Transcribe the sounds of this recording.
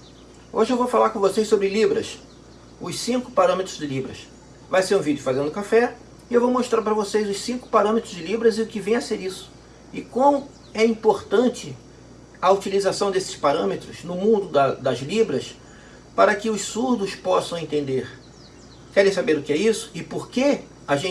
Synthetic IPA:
o̰ʒɪewvowfalaɾkõvosejsobɾɪlibɾɐ̰s | ʊssĩkʊ̥paɾɐ̃met̪ɾʊzd͡ʒɪlibɾɐ̰s | vajseɾũvid͡ʒʊfazẽnd̪ʊkafɛ | ɪewvowmoʃt̪ɾaɾpɾɐvosejzʊssĩkʊ̥paɾɐ̃met̪ɾʊzd͡ʒɪlibɾɐzɪʊkɪvẽj̃ɐseɾisʊ̥ | ɪkõmʊ | ɛĩpoɾt̪ɐ̃nt͡ʃɪ | ɐut͡ʃilizasɐ̃w̃d̪esɪ̥spaɾɐ̃met̪ɾʊznʊmũnd̪ʊd̪ɐd̪ɐzlibɾɐs | paɾɐkɪʊʃsuɾd̪ʊspɔsɐ̃w̃ẽnt̪ẽnd̪eɾ | kɛɾẽj̃sabeɾʊkɪɛisʊ̥ɪpoɾke | aʒẽ

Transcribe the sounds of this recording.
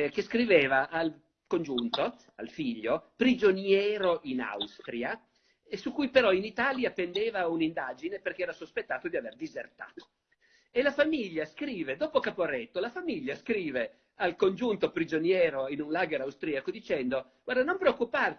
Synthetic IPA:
keskɾiveːvaʔal | kond͡ʒunt̪o | a̰lfiʎːopɾid͡ʒonjɛːɾoʔina̰wst̪ɾia | sukːujpeɾɔinit̪aːljapend̪eːvaunind̪aːd͡ʒineperkeɛːɾasospet̪ːaːt̪od̪iaverd̪izert̪a̰ːt̪o̥ | elafamiʎːaskɾiːved̪oːpokapoɾɛt̪ːolafamiʎːaskɾiːve | alkond͡ʒunt̪opɾid͡ʒonjɛːɾoinunlaːɡeɾawst̪ɾiːakod̪it͡ʃɛnd̪oɡ̥ward̪anompɾeokːupar

